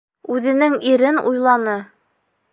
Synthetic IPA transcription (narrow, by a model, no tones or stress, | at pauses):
ʉðɘ̆nɘŋiɾɘnṵjlˠɑnɤ